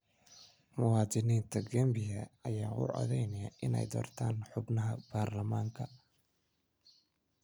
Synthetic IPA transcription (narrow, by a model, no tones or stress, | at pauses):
mʊwɑːd̪ɪniːnt̪ʰɐɡɐmbɪjɐɐjaːʔʊ̰ʕʔɔ̰ðɛjnɪjaʔɪnɛ̰jd̪ɔ̰ːrt̪ʰaːnħʊbnɐɦɐb̥aːrlɐmaːŋkʰɐ